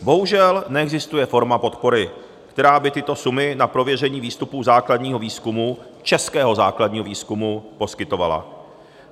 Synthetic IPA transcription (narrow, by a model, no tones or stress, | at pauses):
bo̞ɦuʒɛlnɛɛɡzɪst̪ujɛfo̞ɾmapo̞t̪po̞ɾɪ | kt̪ɛɾaːbɪt̪ɪt̪o̞sumɪnapɾo̞vjɛrɛɲiːviːst̪upuːzaːkladɲiːɦo̞viːskumu | t͡ʃɛskɛːɦo̞zaːkladɲiːɦoviːskumupo̞skɪt̪o̞vala̰